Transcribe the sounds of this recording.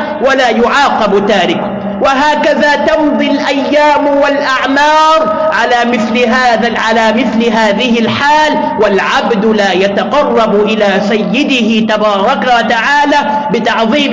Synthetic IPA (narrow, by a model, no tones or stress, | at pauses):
walaːjʊʕɑːqɑbt̪aːɾɪk | waɦaːkaðaːt̪ɑnðˤilʔajːaːmwalʔaʕmɑːɾˤ | ʕalaːmɪθlɪɦaːðaʕalaːmɪθlɪɦaːðɪhɪlħaːl | walʕabd̪laːjat̪ɑqɑrˤːɑbʔɪlaːsajːɪd̪ɪhɪt̪abɑːɾˤɑkawat̪aʕaːlaː | bɪt̪ɑʕðˤiːm